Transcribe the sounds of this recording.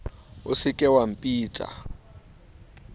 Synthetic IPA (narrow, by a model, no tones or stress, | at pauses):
ʊsɪkʼɛwam̩pʼiːtʼa̰